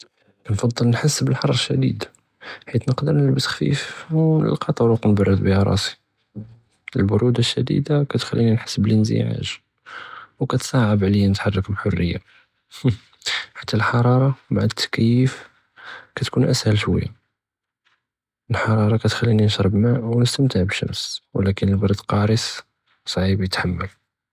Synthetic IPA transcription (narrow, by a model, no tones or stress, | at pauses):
kænfɑd̪ˤːəlnħasːbəlħɑɾˤːʃːæd̪ḭd̪ | ħit̪nəqd̪əɾnəlbəsxfḭfnə̰lqɑt̪ˤɑɾˤukunbɑrˤːəd̪bihæɾˤɑ̰si̥ | əlbʊɾud̪aʃːæd̪ḭd̪akæt̪xælːininħasːblənzḭʕa̰ʒ | wkæt̪sˤɑʕəbʕləjːænət̪ħɑrˤːəkbħorːəjːa̰ | ħḁt̪ːælħɑɾˤɑɾˤɑmaʕat̪ʰːæ̥kæjəf | kæt̪kunʔæshəlʃwə̰jːa̰ | əlħɑɾˤɑɾˤɑkæt̪xælːininʃɾˤəbmæʔwnəst̪əmt̪əʕbəʃə̰mswlækənəlbɑɾˤəd̪qɑɾəs | sˤʕibjət̪ħamːəl